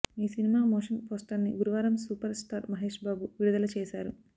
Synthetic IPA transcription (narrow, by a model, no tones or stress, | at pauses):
iːsinimaːmoːʂɐnpoːsʈɐnːḭɡuɾuʋaːɾɐmsuːpɐɾsʈaːɾmɐɦeːʂbaːbuʋiɾud̪ɐlɐt͡ʃɛːʃaːɾu